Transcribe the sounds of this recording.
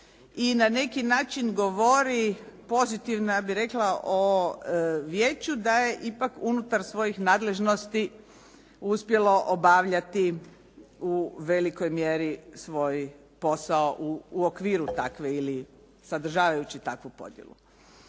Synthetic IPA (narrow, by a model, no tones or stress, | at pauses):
inane̞kinaːt͡ʃinɡoʋoɾipo̞zit̪iʋnjabiɾe̞klˠaʔo | ʋje̞ːt͡ɕud̪aje̞ʔipakunut̪aɾsʋo̞jixnaːd̪le̞ʒno̞st̪i | uspje̞lo̞ʔobaʋʎat̪i | uʋe̞liko̞jmjeɾisʋo̞j | po̞saoʔuːokʋiːɾut̪akʋe̞ili | sad̪r̩ʒaːʋajut͡ɕit̪akʋupo̞̰d̪jḛlˠṵ